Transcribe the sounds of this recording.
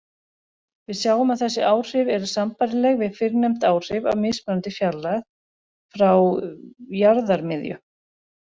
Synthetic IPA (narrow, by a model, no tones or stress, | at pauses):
vɪðsjaːwʏmaðθɛsːɪʔaːwr̥ɪvɛɾʏsampaɾɪlɛɣvɪðfɪɾnɛjm̥t̪aːwr̥ɪvawmɪspɛnant̪ɪfjalːaɣ | fɾaw | jaɾðaɾmɪðjʏ̰